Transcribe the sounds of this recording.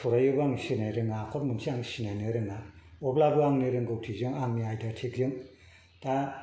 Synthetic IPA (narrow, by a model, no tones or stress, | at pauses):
sʰɔɾajɯbaŋsinajɾɯŋakʰɔt̚munsʰiaŋsinajnɯɾɯŋaɔblabɯaŋnɯɾɯŋɡɯwtʰizɯŋaŋniajdatʰikjɯŋ | ta